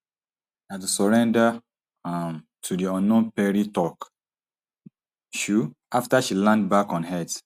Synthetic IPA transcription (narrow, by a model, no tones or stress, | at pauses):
atusɔɹɛ̃nda | m | tʰudiɔ̃nɔ̃npɛɹitɔk | ʃuʔaftaʃilãnd̚bakɔ̃nɦɛd